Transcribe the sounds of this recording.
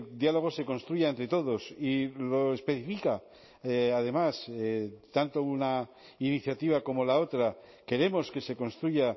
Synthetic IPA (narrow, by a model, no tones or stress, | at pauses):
d̪jalo̞ɣ̞o̞se̞ko̞nst̪ɾuʝaent̪ɾe̞t̪o̞ð̞o̞silo̞espe̞θifika | aðe̞maset̪ant̪ouna | iniθjat̪iβ̞ako̞mo̞lao̞t̪ɾa | ke̞ɾe̞mo̞ske̞se̞ko̞nst̪ɾuʝa